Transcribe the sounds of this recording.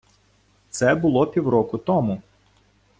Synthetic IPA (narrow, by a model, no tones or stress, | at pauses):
t̪sɛbʊlˠɔpʲiwɾɔkʊt̪ɔmʊ